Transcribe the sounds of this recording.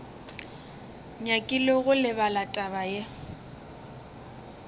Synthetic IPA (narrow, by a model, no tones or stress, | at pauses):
ɲakʼilɔɣʊlɪbalatʼaβaje